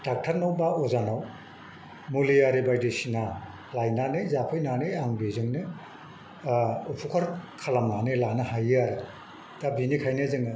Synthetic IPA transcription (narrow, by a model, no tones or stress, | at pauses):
tak̚tʰaɾnawbaɔzanaw | mulijaɾibajdesina | lajnanɯjzapʰɯjnanɯjaŋbizɯŋnɯ | upʰukʰɔɾkʰalamnanɯlanɯhajaɾɯ | d̥abinikʰajnɯzɯŋɯ